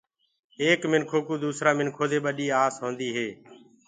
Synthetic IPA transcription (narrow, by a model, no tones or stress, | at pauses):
eːkmɪnkʰoːkuːd̪uːsɾaːmɪnkʰoːd̪eːɓəɗiːaːsɦõːnd̪iːɦeː